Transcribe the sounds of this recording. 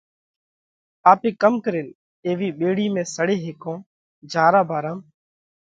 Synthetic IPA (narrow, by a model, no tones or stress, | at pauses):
aːpeːkəmkəɾɪːn | eːʋiːɓeːɽiːmẽːsəɽeːɦeːkõː | d͡ʒʱaːɾaːbʱaːɾãːm